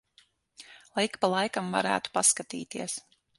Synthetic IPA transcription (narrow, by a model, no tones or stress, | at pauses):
lˠajkpalˠajkamva̰ɾæ̰ːt̪u̥paskat̪ḭːt̪iɛəs